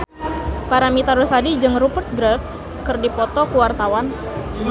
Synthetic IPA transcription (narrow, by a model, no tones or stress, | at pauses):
paɾamit̪aɾusadid͡ʒɨŋrupərt̪̚ɡɾɛfs | kɨrdipɔt̪ɔkuwart̪awan